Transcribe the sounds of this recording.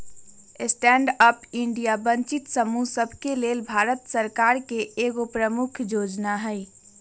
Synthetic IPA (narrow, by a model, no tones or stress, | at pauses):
sʈɛːɳɖəpɪ̃ɳɖijabə̃ɲt͡ʃɪt̪səmusəbʱkeleːlbʱaːɾət̪səɾkaːɾkeːɡopɾəmʊkʰjoːd͡ʒnaɦɛɪ